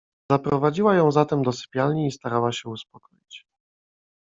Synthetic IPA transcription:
zapɾɔvad͡ʑiwajɔ̃w̃zat̪ɛmd̪ɔsɘ̥pʲjalɲiːst̪aɾawaɕɛuspɔkɔjt͡ɕ

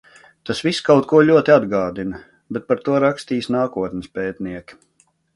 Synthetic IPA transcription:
t̪asʋiskawt̪̚kuɔʎʲuɔt̪ʲiad̪ɡaːd̪inɐ | bɛt̪̚paɾt̪uɔɾakst̪iːsnaːkuɔt̪nʲɪspʲɛːt̪niɛkʲi̥

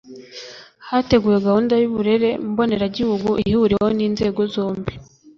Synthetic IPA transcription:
hate̞ɡuːjeɡahuːndajuβuɾe̞ɾe̞mbo̞ne̞ɾaɟihuɡuʔihihuɾewhoniːnze̞ːɡo̞zo̞ːmbi

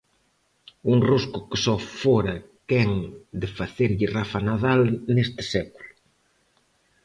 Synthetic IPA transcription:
uŋruskʊkɪsɔfoɾɐkɛŋd̪ɪfaθeɾʎɪrafanaðalnest̪ɪ̥sɛkulʊ

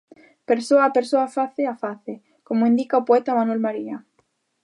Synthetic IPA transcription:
peɾsoapeɾsoafaθeafaθe | komoind̪ikaopoɛt̪amanwelmaɾia

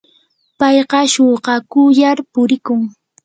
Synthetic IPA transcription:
pɑjɢɑʃoɢɑkʊjaɾpʊɾɪkʊŋ

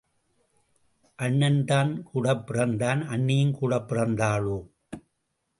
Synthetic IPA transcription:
ʔɐɳːɐnd̪aːnkuːɽɐpːɪrɐnd̪aːnʔɐɳːɪjɪnkuːɽɐpːɪrɐnd̪aːɭoː

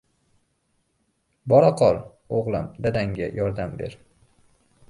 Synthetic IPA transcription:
bɒɾɒqʰɒɾ | oʁlˠa̰md̪ad̪aŋɡʲa̰jʔɒɾd̪ambeɾ

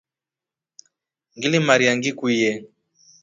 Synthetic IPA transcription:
ŋɡilimaɾiaŋɡikujɛ

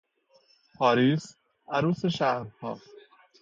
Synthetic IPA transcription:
pʰɒːɾiːs | ʔæɾuːseʃæhɾhɒː

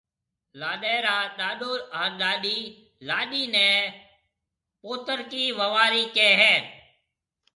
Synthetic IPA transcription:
laːɗɛːɾaːɗaːɗoːɾãːɗaːɗiː | laːɗiːnɛ̃ː | poːt̪əɾkiːʋəʋaːɾiːkeːɦɛː

